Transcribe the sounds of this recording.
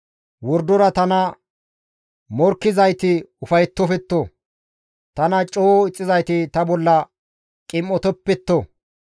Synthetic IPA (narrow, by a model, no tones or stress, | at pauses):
wɔɾd̪ɔɾɐt̪ɐnɐ | mɔɾkːɪzɐjt̪ɪʊfɐjt̪ːɔfɛt̪ːo | t̪ɐnɐt͡ʃʼoːɪt͡sʼːɪzɐjt̪ɪt̪ɐbɔlːɐ | kʼɪmːɔt̪ɔpːɛt̪ːo